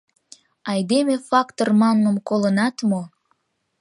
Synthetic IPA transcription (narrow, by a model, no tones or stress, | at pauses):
ɑjd̪emefɑkt̪ormɑŋːəmkolənɑt̪mo